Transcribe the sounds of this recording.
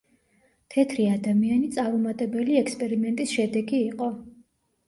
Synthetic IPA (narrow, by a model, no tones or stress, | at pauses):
t̪ʰɛt̪ʰɾiad̪amianit̪sʼaɾɔmat̪ʼɛbɛliɛkspʼɛɾimɛnt̪ʼisʃɛd̪ɛɡiːqʼɔ